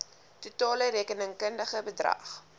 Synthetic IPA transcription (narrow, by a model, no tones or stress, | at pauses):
tutɑːləɾeːkənəŋkəndəχəbədrɐ̰χ